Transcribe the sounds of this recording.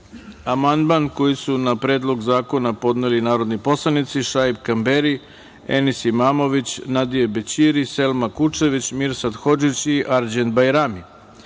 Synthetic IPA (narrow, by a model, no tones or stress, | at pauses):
amand̪manko̞jisunapɾe̞ːd̪lˠo̞ɡzaːko̞napo̞d̪nelinaːɾo̞d̪nipo̞slˠanit̪siʃajbkambeɾi | ḛnisimaːmo̞ʋit͡ɕnad̪ijebet͡ɕiɾise̞lmakut͡ʂe̞ʋit͡ɕmiɾsad̪xo̞d͡ʒut͡ɕiʔaɾd͡ʑent̪bajɾami